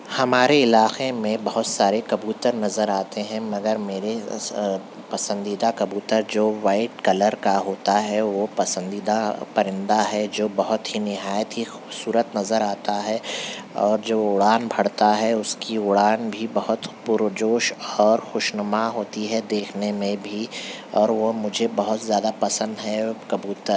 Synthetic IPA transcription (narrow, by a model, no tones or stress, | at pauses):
hɐmaːɾeɪlaːqemẽbɐɦʊt̪saːɾekɐbjuːt̪əɾnɐzəɾaːt̪eɦɛ̃mɐɡəɾmeːɾe | pɐsə̃nd̪iːd̪akɐbuːt̪əɾd͡ʒoːʋaːɪʈkɐləɾkaɦoːt̪aɦɛʋopɐsə̃nd̪iːd̪apɐɾɪ̃nd̪aɦɛd͡ʒoːbɐɦʊt̪ɦinɪɦaːjət̪ɦixubsuːɾət̪nɐzəɾaːt̪aɦɛɔːɾd͡ʒoːʊɽaːnbʱɐɽt̪aɦɛʊskiʊɽaːnbʱibɐɦʊt̪pʊɾʋd͡ʒoːʃɔːɾxʊʃnəmaɦoːt̪iɦɛd̪eːkʰnemẽbʱiɔːɾʋomʊd͡ʒʱebɐɦʊt̪zjaːd̪apɐsə̃nd̪ɦɛkɐbuːt̪əɾ